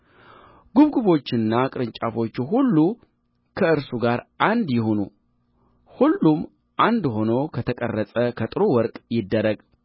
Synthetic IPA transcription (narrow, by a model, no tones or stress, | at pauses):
ɡ̥uβɡuβo̞t͡ʃːɪnːakʼɨɾɨɲt͡ʃʼafo̞t͡ʃːuɦulːu | kʰəɨɾsuɡaɾʔand̪jɪɦo̞nṵ | hulːum | ʔand̪ho̞no̞kʰət̪ʰəkʼə̰rːəsʼəkʰət̪ʼɨɾowɔɾkʼjɪd̪ːəɾəɡ